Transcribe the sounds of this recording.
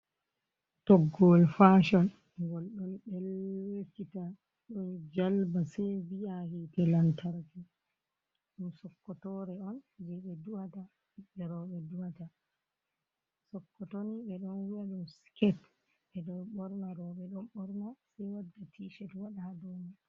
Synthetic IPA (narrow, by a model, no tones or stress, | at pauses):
tɔɡɔlfaʃɔn | ɡɔlɗɔnɗɛlwekːita | ɗɔnd͡ʒalbasɛjbijahitɛlantʰaɾki | ɗumsɔkːɔtɔɾɛɔnd͡ʒiɓɛduata | iɓɛɾɔɓɛduhata | sɔkːɔtoniɓɛɗɔnwijaɗumskɛt | ɓɛɗɔɓɔɾnaɾɔɓɛɗɔmɓɔɾnasɛjwadːatʰiʃɛtwaɗadoni